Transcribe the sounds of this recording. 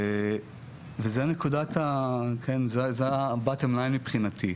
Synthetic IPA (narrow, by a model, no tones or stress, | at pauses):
vezeanekudat̪akʰenzezeabatemlajnmipχinat̪i